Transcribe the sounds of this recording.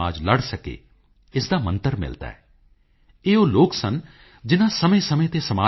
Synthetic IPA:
aːd͡ʒləɽsəkḛː | ɪsd̪aːmə̰̃nt̪əɾmɪ̰lt̪a̰ːɦɛː | eːoːloːksən | d͡ʒɪnãːsəmẽsəmẽt̪esəmaː

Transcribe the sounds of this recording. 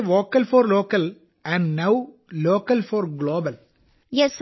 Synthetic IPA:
ʋoːkɐlfɔːɾloːkɐl | æ̃ɳɖnaʊ | loːkɐlfɔːɾɡloːbɐl | jɛs

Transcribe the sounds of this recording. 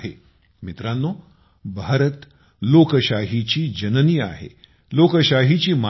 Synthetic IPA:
ɦe | mit̪ɾanːo | bʱaːɾət̪ | loːkəʃaːɦit͡ɕiːd͡ʑɐnənia̰ːɦḛ | loːkəʃaːɦit͡ɕiːma

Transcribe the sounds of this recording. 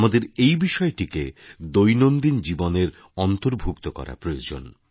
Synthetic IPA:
mad̪eɾejbiʃɔeʈiked̪ojnond̪ind͡ʑiboneɾ | ɔnt̪oɾbʱukt̪okɔ̰ɾa̰pɾojod͡ʑo̰n

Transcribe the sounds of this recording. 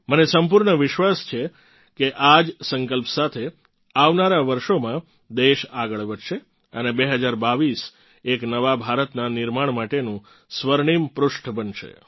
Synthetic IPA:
mənesəmp̬uɾɳəʋɪʃʋast͡ʃʰe | keʔad͡ʒsəŋkəlpsat̪ʰe | aʋnaɾaʋəɾʃomã | d̪eʃaɡəɭʋədʃe | ənebeɦəd͡ʒaɾbaʋis | eknəʋabʱaɾət̪nanɪɾmaɳmaʈenũ | sʋəɾɳimpɾʊʃʈʰbənʃḛ

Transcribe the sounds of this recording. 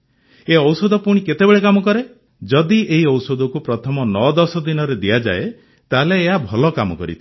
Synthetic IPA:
eɔwsɔd̪ʱɔpuɽ̃iket̪ebeɭekamɔkɔɾe | d͡ʒɔd̪ieɦiɔwsod̪ʱɔkupɾɔt̪ʰɔmɔnɔd̪ɔsɔd̪inɔɾed̪ijad͡ʒa̰e | t̪aleːɦabʱɔlɔkamɔkɔ̰ɾḭt̪ʰɔ

